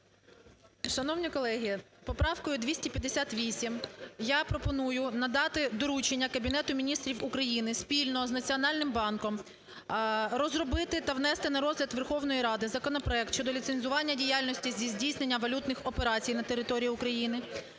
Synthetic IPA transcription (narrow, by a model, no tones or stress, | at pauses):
ʃɐnɔwnʲikɔlˠɛɦʲipɔpɾɑwkɔjʊd̪ʲʋʲisʲtʲipʲjɐd̪esʲat̪ʋʲisʲimjapɾɔpɔnujʊnɐd̪ɑt̪ɪd̪ɔɾut͡ʃenʲːɐkɐbʲinɛt̪ʊmʲinʲist̪ɾʲiwʊkɾɐjinɪspʲilʲnɔɔznɐt͡sʲiɔnɑlʲnɪmbɑnkɔm | ɾɔzɾɔbɪt̪ɪt̪ɐʋnɛst̪ɪnɐɾɔzlʲɐd̪ʋerxɔwnɔjiɾɑd̪ɪzɐkɔnɔpɾɔɛk̚t̪ʃt͡ʃɔd̪ɔlʲit̪senʲzʊʋɑnʲːɐdʲijalʲnɔsʲtʲizʲizʲdʲijsnenʲːɐʋɐlʲut̪nɪxɔpeɾɑt͡sʲijnɐt̪eɾɪt̪ɔɾʲijiʊkɾɐjinɪ